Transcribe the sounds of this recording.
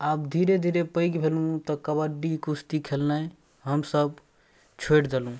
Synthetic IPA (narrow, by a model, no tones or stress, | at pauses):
ab̚d̪ʱiɾed̪ʱiɾepəɪɡbʱelũt̪ɔkəbəɖikust̪ikʰelnaj | ɦəmsəb̚ | t͡ʃʰoʈd͡ʒalɦũ